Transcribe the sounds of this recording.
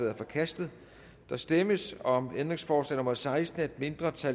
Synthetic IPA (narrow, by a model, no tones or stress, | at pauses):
ɛðˠɐfɒ̽kʰæsd̥ð̩ˠ | d̥ɑ̈sd̥eməsɒ̽mend̥ʁe̝ŋsfɒːslɛ̰nɔ̽mɐð̩ˠsɑ̈ɪsd̥n̩ed̥̚me̝nd̥ʁɐt͡sʰæ